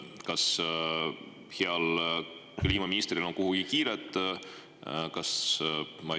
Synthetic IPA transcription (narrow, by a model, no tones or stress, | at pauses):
kɑs | heɑl | klʲiːmɑminist̪ɾilo̞nkuɦuɡ̥ikiːɾet̪ˑː | kɑs | mɑ